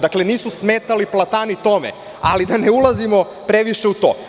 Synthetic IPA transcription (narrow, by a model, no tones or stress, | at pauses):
d̪akle̞niːsusmeːt̪aliplˠat̪anit̪o̞mḛ | alid̪aneulˠazimo̞ | pɾeʋiʃe̞ut̪o̰ː